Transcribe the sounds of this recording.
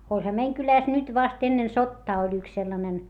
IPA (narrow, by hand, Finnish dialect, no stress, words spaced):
olʲhɑ meiŋ kylæˑs nyt ʋɑst enːen sotːɑː olʲ yks selːɑnen